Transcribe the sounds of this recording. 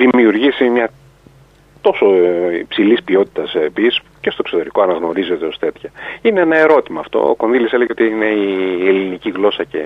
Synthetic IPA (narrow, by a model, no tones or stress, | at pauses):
ðimiuɾʝisimɲɐ | t̪o̞so̞ipsilispio̞t̪i̥t̪ɐspiis | ce̞st̪oekso̞t̪e̞ɾiko̞ɐnɐɣno̞ɾize̞t̪e̞o̞st̪e̞t̪çɐineenɐe̞ɾo̞t̪imɐːft̪o̰o̰ko̞nðilise̞leʝeo̞t̪iine̞ieliniciɣlo̞sɐce̞̰